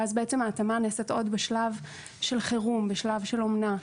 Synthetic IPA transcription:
azbeet͡semaːtamaneset̪o̞dbeʃlav | ʃe̞lχeʁumbeʃlavʃelomna

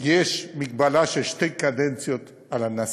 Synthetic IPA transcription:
jeʃmik̚balaʃeʃt̪ejkad̪ent͡sjot̪ | alanas

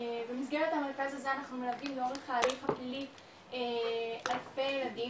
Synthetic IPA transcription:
bemis̬ɡeʁet̪hame̞ʁkazazeanaχnumelavdimleo̞ʁeχaːliχapilit | ealfe̞jelad̪i

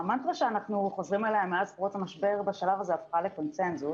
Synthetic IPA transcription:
mant̪ʁaʃeanaχnuχo̞zʁimaleemːeazpʁot͡samaʃbe̞ʁbeʃalavazeafχaleko̞nsenzu

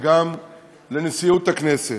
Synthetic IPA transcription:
ɡam | le̞nesijut̪aknese

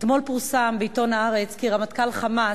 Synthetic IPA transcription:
t̪mo̞lpuʁsambeito̞naaʁet͡skiʁamatkalχama

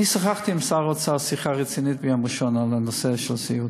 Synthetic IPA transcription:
isχaχt̪ʰimsaʁɔt̪sʰasiχaʁit̪sʰinid̪̚ʰbiamuʃɔnalanɔsɛʃlsiu

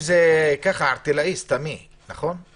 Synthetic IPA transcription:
zekaχaːʁt̪ilaist̪ami | naχo̞n

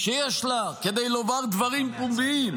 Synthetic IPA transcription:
ʃejeɛʃlake̞d̪ejlovaʁd̪vaʁimpumbiim

